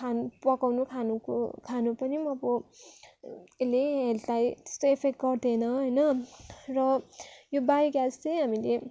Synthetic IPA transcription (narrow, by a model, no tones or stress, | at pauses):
anupʌkawnukʰanukokʰanupʌnimʌbo | eleeltajt̪e̥st̪oepʰek̚ʈ̚ɡʌrd̪ʱenʌɦʌjnʌrʌjobajɡjast͡sejɦamile